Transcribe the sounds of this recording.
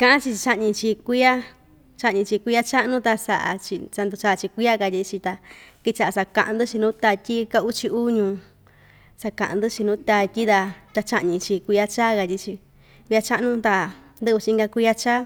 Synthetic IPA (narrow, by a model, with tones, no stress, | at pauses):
kã˧ʔã˦t͡ʃi˧t͡ʃa˧ʔɲĩ˧t͡ʃi˧kʷi˦a˦ | t͡ʃa˧ʔɲĩ˧t͡ʃi˧kʷi˧˦a˦t͡ʃa˦ʔnũ˦t̪a˧sa˧ʔa̰˧t͡ʃi˧sa˧nd̪u˧t͡ʃa˧t͡ʃi˧kʷi˦a˦ka˧t̪ʲi˧t͡ʃi˧t̪a˧ki˧t͡ʃa˧ʔa˨˧sa˧kã̰˧˨ʔã˧nd̪ɨ˦t͡ʃi˧nũ˦t̪a˧tʲi˦ka˧u˦t͡ʃi˧u˦ɲũ˧ | sa˧kã̰˨ʔã̰˧nd̪ɨ˦t͡ʃi˧nũ˦t̪a˧tʲi˦ða˧t̪a˧t͡ʃa˧ʔɲĩ˧t͡ʃi˧kʷi˧a˧t͡ʃaː˦ka˧t̪ʲi˧˦t͡ʃi˧ | kʷi˧a˧t͡ʃa˦ʔnũ˦t̪a˧ | nd̪ɨ˦˧u˧t͡ʃĩ˧ŋɡa˧kʷi˧˦a˦t͡ʃaː˦